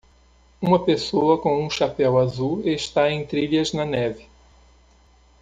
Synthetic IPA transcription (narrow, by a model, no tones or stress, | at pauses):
ũmɐpesoɐkõũʃapɛwazueʃt̪aẽj̃t̪ɾiʎɐznɐnɛvɪ